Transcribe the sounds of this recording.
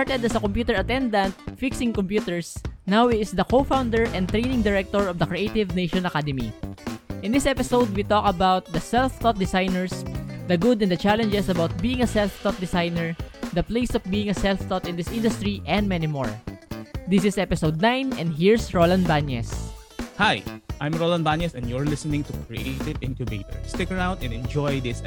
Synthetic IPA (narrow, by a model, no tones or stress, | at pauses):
aɹt̪ɛd̪ɐsɐkɔ̃mpjuːt̪ɛɹɐt̪ɛ̃nd̪ɐ̃nt̪̚fɪksɪ̃ŋkɔ̃mpjut̪ɛɹsnawɪt̪ɪsd̪ɐkofãwnd̪ɛɹʔɛ̃n̚t̪ɹejnɪ̃ŋd̪ɪɹɛk̚t̪ɔɹɔvd̪ɐkɹiʔejt̪ɪvnejʃɔ̃nɐkad̪ɛmḭ | ʔɪ̃nd̪ɪsɛpɪsowd̪̚wit̪ɔkɐbawt̪̚d̪ɐsɛlft̪ɔt̪̚d̪ɪsajnɛɹsd̪ɐɡʊd̪ɛ̃nd̪ɐt͡ʃalɛ̃nd͡ʒɛsɐbawt̪̚biːɪ̃ŋɐsɛlft̪ɔt̪̚d̪ɪsajnɛɹd̪ɐpleɪsɔfbiːɪ̃ŋɐsɛlft̪ɔt̪ɪ̃nd̪ɪsʔɪ̃nd̪ʊst̪ɹiʔɛ̃nd̪̚mɛnimɔ̰ɹ | d̪ɪsɪsɛpɪsowd̪̚nãjnɛ̃nd̪ɦiɹsɹolãnbanjɛ̰s | hajʔãjmɹolãnbanjɛsɛ̃njɔɹlɪsənɪ̃ŋt̪ukɹḭʔeɪt̪ɪvɪ̃nt̪jʊbet̪ɔ̰ɹst̪ɪkəɹãw̃nd̪ɛ̃nɛ̃nd͡ʒɔjd̪ɪs